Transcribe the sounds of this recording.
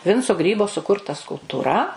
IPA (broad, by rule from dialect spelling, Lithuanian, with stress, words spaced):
ˈʋʲɪnt͡soː ˈɡrʲiːboː sʊˈkʊrtɐ skʊlˠptuːˈrɐ